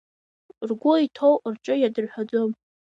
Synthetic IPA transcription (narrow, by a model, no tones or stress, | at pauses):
rɡʷʊitʰowrt͡ʃʼɨjadɨrħʷᶣad͡zom